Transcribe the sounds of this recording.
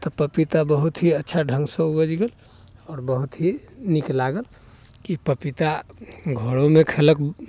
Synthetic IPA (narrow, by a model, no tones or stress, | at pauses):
t̪ɔpəpit̪abəɦut̪ɦiətːʃʰaɖʱə̃ŋɡsə̃ubəd͡ʒɡel | ɔːɾbəɦut̪ɦi | niklaɡəl | kipəpit̪aɡʱəɽomekʰelək